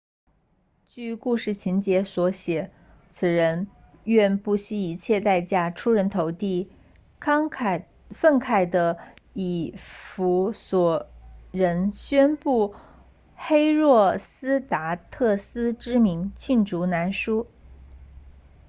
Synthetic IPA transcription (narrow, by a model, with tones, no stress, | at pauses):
t͡ɕy˥˩ku˥˧ʂɻ̩˥˩t͡ɕʰi˧˥nt͡ɕjɛ˧˥swɔ˧˥ɕjɛ˨˩˦ | t͡sʰɹ̩˨˩ɻə˧˥n | ɥɛ˥˧npu˥˩ɕi˥i˧˩˥t͡ɕʰjɛ˥˧t̪a˥˧ɪt͡ɕja˥˩ʈ͡ʂʰu˥ɻə˧˥nt̪ʰo˧˥ʊt̪i˥˩ | kʰɑ˥ŋʰ | fə˥˩nkʰa˥˩ɪd̪ə˦i˨˩fu˧˥swɔ˨˩ɻə˧˥nɕɥɛ˥npu˥˩ | xe˥ɪɻwɔ˥˩sɹ̩˥t̪a˧˥t̪ʰɤ˥˩sɹ̩˥ʈ͡ʂɻ̩˥mi˧˥ŋt͡ɕʰi˥˩nʈ͡ʂu˧˥na˧˥nʂu˥